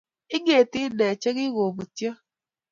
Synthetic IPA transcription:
ɪ˦ɡe˨tɪ˦dɛ˨t͡ʃɛ˦ɣɪ˦ɣo˨bu˨tjɔ˦

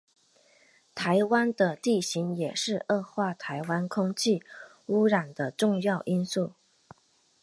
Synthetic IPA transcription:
t̪ʰa˧˥ɪwa˥nd̪ə˧t̪i˥˩ɕi˧˥ŋjɛ˨˩ʂɻ̩˥˧ʔɤ˥˧xwa˥˩t̪ʰa˧˥ɪwa˥nkʰʊ˥ŋt͡ɕʰi˥˩ | u˥ɻa˨˩nd̪ə˦ʈ͡ʂʊ˥˧ŋjɑ˥˩ʊʔi˥nsu˥˩

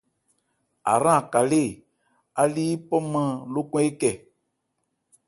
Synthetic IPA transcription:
a̰˨ɾã˦˨ka˨le˦˨ | a˨li˦pɔ˦mã˦lo˦kɔ̃˦e˦kɛ˨

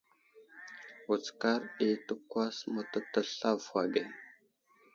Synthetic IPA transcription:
u˨t͡ska˦ɾi˦tə˦kʷwa˦smo˨ta˦ta˦ɬa˦vwa˨ɡe˨

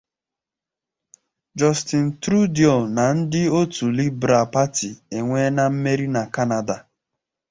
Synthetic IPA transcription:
d͡ʒɔ˦stɪ˨n̩˨tɾu˦djɔ˨na˨n̩˦dɪ˦o˦tu˨li˦bɾa˨pa˦ti˨e˨ŋʷe˦na˦m̩˦me˦ɾi˦na˨ka˦na˨da˨

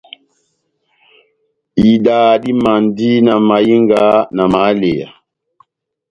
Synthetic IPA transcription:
i˨daː˨ɗi˦ma˨ndi˦na˨ma˨ji˦ŋɡa˨˦na˨ma˨˦le˨ja̰˨

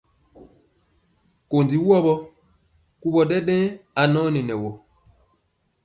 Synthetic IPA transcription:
ko˨ndi˨wu˦ɔ˦ɓɔ˦ | ku˦ɓɔ˨ɗɛ˦ɗɛ̃˦a˨nɔ̃˦ni˨nɛ˨wo˨

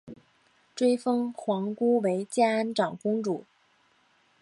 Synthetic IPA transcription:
ʈ͡ʂwe˥ɪfɤ˥ŋxwɑ˧˥ŋku˥we˧˥ɪt͡ɕja˥a˧˥nʈ͡ʂɑ˨˩ŋkʊ˥ŋʈ͡ʂu˨˩˦

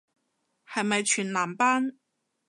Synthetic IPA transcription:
hɐ˨jmɐ˨jt͡ʃʰyː˨˩nlaː˨˩mpaː˥n

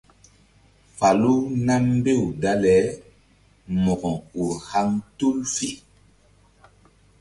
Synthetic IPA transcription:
fa˨lu˦na˦m˦be˦˨wda˦lɛ˨˦ | mɔ˨ɡɔ˨o˨ha˦ŋto˦lfi˦

